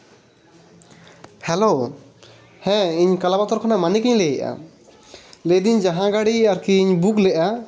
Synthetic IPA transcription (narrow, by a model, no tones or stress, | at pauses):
hɛlo | hɛ̃iɲkalabat̪ɔɾkʰɔnamanikiɲlɛjɛʔa̰ | led̪iɲd͡ʒaɦãɡaɽiaɾkiːɲbuklɛʔa